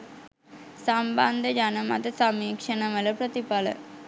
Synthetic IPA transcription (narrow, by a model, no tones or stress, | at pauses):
samband̪əd͡ʒanɐmat̪ɐsamiːkʂənɐʋəlɐpɾət̪ipalə̰